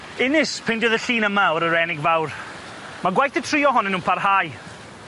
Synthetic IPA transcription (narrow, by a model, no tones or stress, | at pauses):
ɪnɪspʰɪndɪðəɬiːnəmaɔɾəɾɛnɪɡvawr | maɡwajθətʰriːɔɦɔnɛnũːnpʰarhaːj